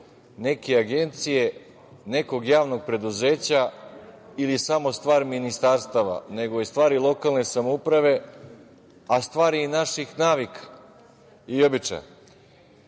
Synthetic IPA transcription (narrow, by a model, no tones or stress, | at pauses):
ne̞keaɡe̞nt̪sije̞ | ne̞ko̞ɡjaːʋnoɡ̚pɾe̞d̪uze̞ːt͡ɕa | ilisamo̞st̪ʋaːɾminist̪aɾst̪aʋa̰ne̞ɡoist̪ʋaːɾilˠo̞kalˠne̞samoupɾaʋe̞ | ast̪ʋaːɾiːnaʃixnaːʋikḁ | io̞bit͡ʃa̰j